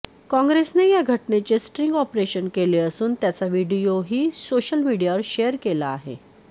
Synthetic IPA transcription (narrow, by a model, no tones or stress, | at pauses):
kɔ̃ŋɡɾesnejaɡʱəʈnet͡ɕesʈɾiŋɡɔpɾeɕənkeleəsuːnt̪jat͡saʋiɽijoɦiːsoɕəlmiɽijaʋəɾɕejəɾkelaːɦḛ